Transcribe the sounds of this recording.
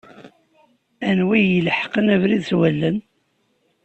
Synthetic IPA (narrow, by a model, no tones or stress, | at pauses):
ænwijəlħqənævɾiðθwælːən